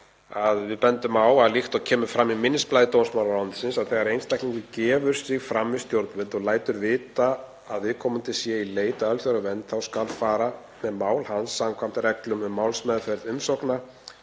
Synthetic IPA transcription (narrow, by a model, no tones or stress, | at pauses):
aðvɪðpɛnt̪ʏmaːwaðlixt̪ɔɣcʰɛːmʏɾfɾamːimɪnːɪsplajðɪt̪ownsmawlaɾawnt̪sɪnsaðθɛɣaɾejnst̪ajkniŋkɪcɛːvʏɾ̥sɪɣfɾamːɪst̪jowɾt̪nvɛnt̪ɔɣlaːjt̪ʏɾvɪːt̪aː | ðvɪðkʰɔːmʏmt̪ʰɪlsjɛileːjt̪aœlθjœɾʏvɛnt̪θawskalfaːɾa | mɛðmaːwlhansːamkʰvam̥t̪ɪɾɛklʏmʏmːaːwlsmɛðfɛɾðʏmsɔkna